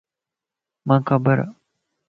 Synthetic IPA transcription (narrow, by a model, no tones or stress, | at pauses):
mãːkʰabəɾa̰